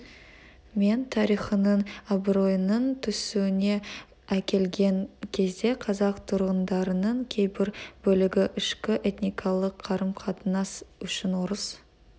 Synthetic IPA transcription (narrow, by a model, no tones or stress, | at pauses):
me̞nt̪ʰɑɾijχənəɴabro̞jnəɴt̪ʰʏsuwɪne̞ | ækʲe̞lɡʲe̞ŋkʲʰe̞zd̪e̞qʰɑzɑqt̪ʰʊɾʁənd̪ɑɾənəɴkʲʰe̞jbɪɾb̥ɵlɪɡʲɪʔɪʃkʲɪʔe̞t̪nijkʰɑlˠəqʰːɑɾəmqʰɑt̪ənɑsʏʃɪnwoɾəs